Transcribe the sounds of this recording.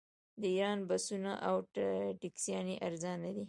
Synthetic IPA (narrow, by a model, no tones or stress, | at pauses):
d̪əiɾɑnbasunaʔawʈʈɪksjɑneʔaɾzɑnad̪i